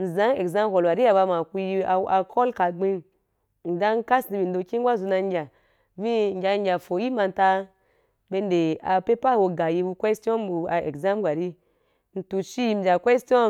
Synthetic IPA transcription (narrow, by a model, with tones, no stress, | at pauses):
n̩˨zã˨˦ŋe˨kza˦m˦ko˨lwa˨ɾi˦a˨ba˧ma˨ku˧ji˧a˨˦a˧kʰɔ˦lka˨ɡ͡bi˧n | n̩˨da˦ŋ̩˦ka˦sni˧bi˨n̩˦do˧ki˦ŋ˦ɡʷa˦zu˧na˧ŋ˦ɡʲa˨ | vi˦ŋ̩˦ɡʲa˧ŋ˦ɡʲa˨fo˨ji˦ma˧n˨˦ta˧ | be˧nde˨a˨pe˦pa˦˨wo˧ɡa˨ji˧˦bu˧kwe˦sti˦ɔ˦n˦bu˧a˨e˨kza˦m˦ɡʷa˨ɾi˦ | n̩˨tu˨ʃi˦ji˧m̩˨d͡ʒa˨kʷe˦sti˦ɔ˦